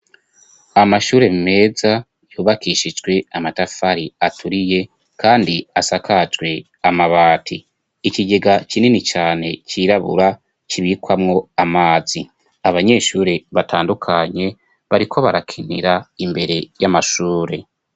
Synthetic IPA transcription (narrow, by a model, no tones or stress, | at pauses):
amaʃuːɾe̞mime̞ːza | juːβakiʃid͡ʒɡwe̞amatafaɾiatʰuɾije̞ | kʰaːndiasakʰad͡ʒɡwe̞ | amaβaːtʰiː | ciɟe̞ɡat͡ʃinenit͡ʃaːne̞ciːɾaβṵɾa | t͡ʃiβikwamŋo̞amaːzi | aβaɲe̞ʃuːɾe̞βatʰaːndukʰaɲe̞ | βaɾikʰo̞βaɾakʰinḭɾaimbe̞ɾe̞jamaʃuːɾe̞